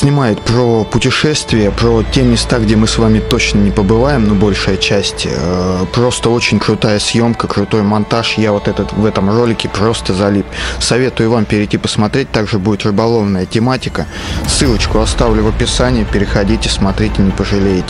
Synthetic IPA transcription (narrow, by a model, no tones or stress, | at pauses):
sʲnʲɪmajɪt̪pɾopʊtʲɪʂɛst̪vʲɪjəpɾotʲe̞mʲːɪst̪aɡdʲemɨsvamʲɪt̪o̞t͡ɕnənʲɪpəbɨvajɪmnobo̞lʲʂɨjət͡ɕæsʲtʲəpɾo̞st̪əo̞t͡ɕɪnʲkɾʊt̪ajəsʲjo̞mkəkɾʊt̪o̞jmɐnt̪aʂjavo̞t̪ɛt̪ət̪vɛt̪əmro̞lʲɪkʲɪpɾo̞st̪əzɐlʲipsɐvʲe̞t̪ʊjʊvampʲɪɾʲɪtʲipəsmɐt̪ɾʲet̚ʲt̪aɡʐɨbudʲɪt̪rʲʊbɐlˠo̞vnəjətʲɪmatʲɪkə | sɨlˠət͡ɕkʊɐst̪avlʲʊvəpʲɪsanʲɪjəpʲɪɾʲɪxɐdʲitʲɪsmɐt̪ɾʲetʲɪnʲɪpəʐɨlʲejɪtʲɪ